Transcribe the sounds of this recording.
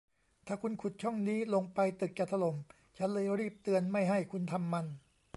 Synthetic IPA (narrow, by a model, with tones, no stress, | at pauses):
t̪ʰaː˨˩kʰu˧nkʰu˨˩t̪̚t͡ɕʰɔ˥˩ŋniː˦˥lo˧ŋpa˧jt̪ɯ˨˩k̚t͡ɕaː˨˩t̪ʰa˧lo˩˦m | t͡ɕʰa˦˥nlɤː˧jɾiː˥˩p̚t̪ɯ˧ənma˥˩jɦa˥˩jkʰu˧nt̪ʰa˧mːa˧n